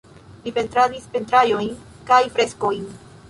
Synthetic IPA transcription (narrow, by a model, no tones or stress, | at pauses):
lipe̞ntɾadispe̞ntɾajo̞jn | kajfɾe̞sko̞jn